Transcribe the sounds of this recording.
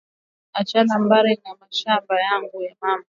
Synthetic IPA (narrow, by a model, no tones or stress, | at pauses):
at͡ʃalambaɾinamaʃambajaŋɡujamama